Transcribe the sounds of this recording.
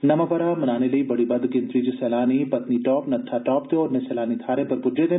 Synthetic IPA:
nɐmapɐɾamɐnaːnelɐibɐɽibɐd̪kɪ̃nt̪ɾiːd͡ʒisɛːlaːnipɐt̪niʈɔːpnɐt̪ʰːaʈɔːpd̪eɔːɾnẽsɛːlaːnit̪ʰaːɾẽpɐɾbʊɖed̪ẽ

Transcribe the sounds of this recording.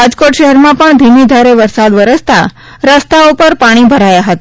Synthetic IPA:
ad͡ʒkoʈʃəɦɛɾmãpəɳd̪ʱimid̪ʱaɾeʋəɾsad̪ʋəɾəst̪a̰ | ɾəst̪aupəɾpaɽ̃ibʱəɾajaɦət̪a

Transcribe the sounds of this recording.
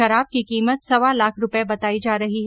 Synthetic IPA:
ɐɾaːb̚kikiːmət̪sɐʋalaːkʰɾʊpebɐt̪aːid͡ʒaːɾɐɦiɦ

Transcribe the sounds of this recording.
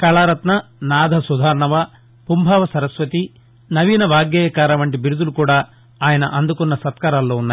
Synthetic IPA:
kɐɭaːɾɐt̪nɐnaːd̪ʱɐsud̪ʱaːɾɐɳɐʋɐ | pumbʱaːʋɐsɐɾɐsʋɐt̪i | nɐʋiːnɐʋaːɡjɐːjɐkaːɾɐʋɐɳʈibiɾud̪ulukuːɽaː | aːjɐnɐ̰ʔɐnd̪ukunːɐsɐt̪kaːɾaːlːoːunːaː

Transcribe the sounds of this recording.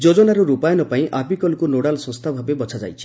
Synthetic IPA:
d͡ʒod͡ʒɔnaɾuɾupajɔnɔpaĩʔabikɔlkunoɽalsɔ̃st̪ʰabʱabebɔt͡ʃʰad͡ʒa̰jt͡ʃʰi̥

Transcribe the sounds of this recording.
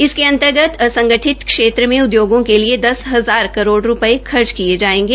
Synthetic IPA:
ɪskeɐ̃nt̪əɾɡət̪ɐsɐ̃ŋɡəʈʰɪt̪kʃeːt̪ɾəmẽʊd̪joːɡõkelied̪ɐsɦɐzaːɾkɐɾoːɽɾʊpəekʰɐɾd͡ʒkied͡ʒaːẽːŋ̆ɡeː

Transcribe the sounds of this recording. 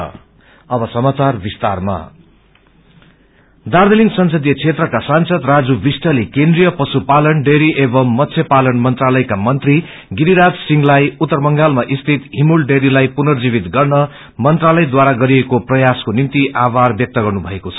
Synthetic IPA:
ʌbʌsʌmat͡sarbist̪arma̰ | d̪aɾd̪eliŋɡsʌnsʌd̪ijʌt͡sʰet̪rʌkasansʌd̪rad͡zubisʈʌlikend̪rijʌpʌsupalʌnɖeɾiʔebʌmːʌt̪sʰjepalʌnmʌnt̪ralʌjkamʌnt̪ri | ɡiɾiɾad͡zsiŋɡlajut̪ːʌrbʌŋɡalmaʔist̪ʰit̪ɦimulɖeɾilajpunʌrd͡zibit̪ɡʌrnʌ | mʌnt̪ralʌjd̪waɾaɡʌɾiekoprʌjaskonint̪iʔaβarbjʌk̚t̪ʌɡʌrnubʱʌekot͡sʰʌ̥

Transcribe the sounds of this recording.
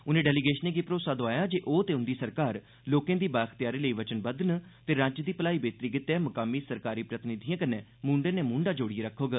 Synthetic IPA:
ʊnẽːɖɛːlɪɡeːʃənẽːɡeːpɾoːsaːd̪õaːjaːd͡ʒeːʔoːt̪eːʊnd̪iːsəɾkaːɾ | loːkẽːd̪iːbaːxt̪ɪjaːɾeːləiːʋət͡ʃənbəd̪nt̪eːɾãːt͡ʃd̪iːpəlaːiːbeːt̪ɾiːɡɪt̪ɛːməkaːmiːsəɾkaːɾiːpɾət̪ɪnɪd̪ʱijãːkəneːmũːɳɖẽːneːmũːɳɖaːd͡ʒoːɽieːɾəkʰːoːɡa

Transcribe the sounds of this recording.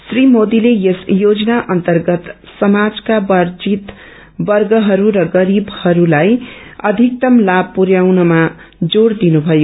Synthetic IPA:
srimod̪ilejesjod͡zʌnaʔʌnt̪ʌrɡʌt̪ | sʌmad͡zkabʌɾd͡zit̪ | bʌrɡʌɦʌɾuɾʌɡʌɾibhʌɾulajʌd̪ʱik̚t̪ʌmlab̚puɾjawnʌma | d͡zoɽd̪inubʱʌjo

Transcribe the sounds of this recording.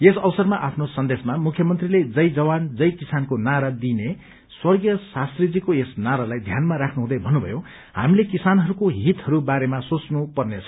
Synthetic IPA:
esʌwʌsʌrmaʔapʰnosʌnd̪esmamukʰjʌmʌnt̪riled͡zʌjd͡zʌwand͡zʌjkisankonaɾad̪ine | swʌrɡjʌsast̪rid͡zikoesnaɾalajd̪ʱjanmaɾakʰnuɦũd̪ʌjbʱʌnːubʱʌ̰jo | ha̰milekisanɦʌɾukoɦit̪ɦʌɾubaɾemasot͡snupʌrnet͡sʰʌ̥

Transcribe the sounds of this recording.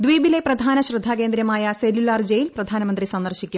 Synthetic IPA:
d̪ʋiːbile̞prɐd̪ʱaːnɐɕrɨd̪ʱaːke̞ːnd̪ɾjɐmaːjɐselulaːrd͡ʑejilprɐd̪ʱaːnɐmɐnd̪risɐnd̪ɐrɕikʲːum

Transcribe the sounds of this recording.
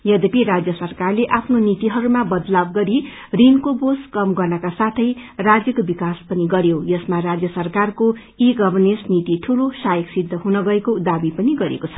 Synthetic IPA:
jʌd̪epiɾad͡zjʌsʌrkarleʔapʰnonit̪iɦʌɾumabʌd̪lab̚ɡʌɾi | rinkoboskʌmɡʌrnʌkasat̪ʰʌjrad͡zjʌkobikaspʌniɡʌɾjojʌsmarad͡zjʌsʌrkarko | iɡʌbʌrnesnit̪iʈʰulosajʌksid̪ʱːʌɦunʌɡʌekod̪abipʌniɡʌɾḛkot͡sʰʌ̥

